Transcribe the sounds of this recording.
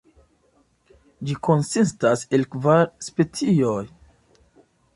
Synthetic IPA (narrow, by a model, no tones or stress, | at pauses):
d͡ʒiko̞nsistase̞lkvaɾspe̞t͡sio̞j